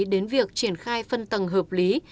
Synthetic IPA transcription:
ɗe˨˦nvi˨˩ək̚t͡ɕi˧˩ənxaː˧jfə˧nt̪ə˨˩ŋɦəː˨˩p̚li˨˦

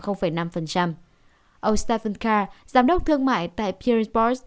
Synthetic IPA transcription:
xə˧wŋ͡mfə˧˩jna˧mfə˨˩nt͡ɕa˧m | ʔə˧wst̪ɛ˧fə˧nkaː˧zaː˨˦mɗə˦˥k͡p̚t̪ʰɨ˧əŋma̰ː˧˨jt̪a̰ː˧˨jpʰi˧ɹbɔ˧˦s

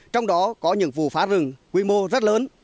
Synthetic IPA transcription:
t͡ɕɔ˧wŋ͡mɗɔ˨˦kɔ˨˦ɲɨ̰˧˥ŋvṵ˧˨faː˨˦zɨ˨˩ŋkwi˧mo˧zə˦˥t̚ləː˨˦n

